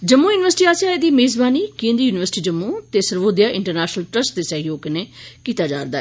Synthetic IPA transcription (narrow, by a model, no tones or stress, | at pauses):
d͡ʒəmːuːjuːnɪʋəɾsɪʈiːaːsaːeːd̪iːmeːzbaːniːkẽːnd̪iːjuːnɪʋəɾsɪ̥ʈiːd͡ʒəmːũːt̪eːsəɾʋoːd̪jaːʔɪ̃ɳʈəɾnɛːʃnəlʈɾəsʈd̪eːsəɦjoːɡkəneːkiːt̪aːd͡ʒaːɾd̪aːɛː